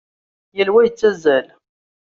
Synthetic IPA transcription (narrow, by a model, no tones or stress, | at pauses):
jəlwæjət͡sːæzæl